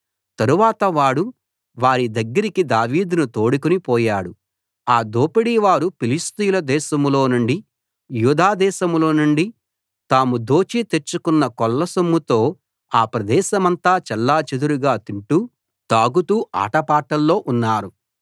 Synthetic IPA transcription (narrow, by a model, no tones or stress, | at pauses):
t̪ɐɾuʋaːt̪ɐʋaːɽu | ʋaːɾid̪ɐɡːɐɾikid̪aːʋiːd̪nut̪oːɽikunipɔːjaːɽu | aːd̪oːpiɽiːʋaːɾupilist̪ijulɐd̪ɛːʃɐmlo̞ːnuɳɖi | juːd̪aːd̪ɛːʃɐmlo̞ːnuɳɖi | t̪aːmud̪o̞ːt͡ʃit̪e̞ɾt͡ʃːukunːɐkɔlːɐsomːut̪o̞ː | aːpɾɐd̪ɛːʃɐmɐnt̪aːt͡ʃɛlːaːt͡ʃed̪uɾuɡaːt̪iɳʈu | t̪aːɡut̪uːʔa̰ːʈɐpaːʈɐlːo̞ːʔunːaːɾu